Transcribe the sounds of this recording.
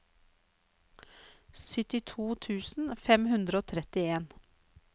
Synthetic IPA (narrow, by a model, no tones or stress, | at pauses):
sʏt̪ɪt̪ʰuːt̪ʰʉːsn̩fɛmhʉnd̪ɾəoːt̪ʰɾɛt̪ɪeːn